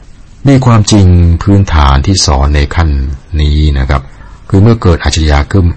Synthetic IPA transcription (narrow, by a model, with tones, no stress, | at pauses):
miː˧kʰwaː˧mt͡ɕi˧ŋpʰɯː˦˥nt̪ʰaː˩˦nt̪ʰiː˥˩sɔ̰ː˩˦nːa˧jkʰa˥˩nːiː˦˥na˦˥kʰɾa˦˥p̚kʰɯː˧mɯ˥˩ɐkɤː˨˩t̪̚ʔa˨˩t͡ɕʰːa˧ɾa˧jaː˧kʰɯ˥˩m